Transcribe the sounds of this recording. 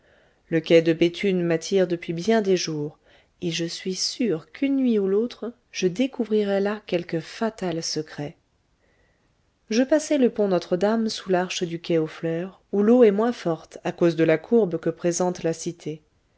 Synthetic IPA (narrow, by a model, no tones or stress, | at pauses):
ləkʲɛd̪əbet̪ʰynmat̪ʰiʁd̪əpɥibjɛ̃d̪eʒuːʁ | eʒəsɥisyʁkynːɥiulot̪χ | ʒ̥əd̪ekuvʁiʁɛlakʲɛlkəfat̪alsəkχɛ | ʒəpasɛləpɔ̃nɔt̪χəd̪amsulaʁʃəd̪ykʲɛoflœːʁ | uloɛmwɛ̃fɔʁt̪akozd̪əlakʰuʁbkəpχezɑ̃t̪lasit̪ʰe